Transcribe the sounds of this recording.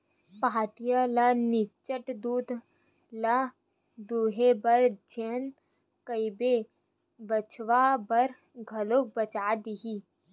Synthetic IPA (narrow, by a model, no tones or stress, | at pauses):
paːʈijalanɪt͡ʃəʈd̪uːd̪ | la | d̪uːɦebɐɾd͡ʒen | kəibe | bət͡ʃʰʋabɐɾ | ɡʱɐlok̚bət͡ʃaːd̪iɦi